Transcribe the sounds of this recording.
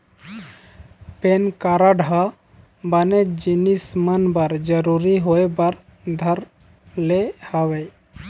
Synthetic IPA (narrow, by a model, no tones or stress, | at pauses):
penkaɾaɖʱa | bəned͡ʒinismənbəɾd͡ʒəɾuɾiɦoebəɾ | d̪ʱəɾ | lehəʋe